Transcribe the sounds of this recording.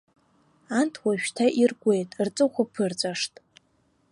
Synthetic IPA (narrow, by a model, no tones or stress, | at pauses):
antʰwaʃᶣtʰaʔirɡʷe̞jtʼrt͡sʼɨχʷapʰɨrt͡sʷʼaʂtʼ